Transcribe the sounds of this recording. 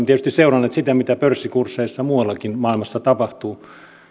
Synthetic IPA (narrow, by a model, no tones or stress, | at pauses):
t̪iet̪yst̪iseurɑnːeːt̪sit̪æmit̪æpørsːikursːeisːɑmuːɑlːɑkinmɑˑilmɑsːɑt̪ɑpɑht̪uː